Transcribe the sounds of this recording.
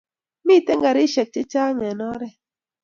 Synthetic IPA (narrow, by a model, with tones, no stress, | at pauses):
mi˦˨te˦ŋɡa˨ɾi˦ʃɛ˨k̚t͡ʃe˦t͡ʃaː˦ŋɛ˨nɔ˦ɾɛ˦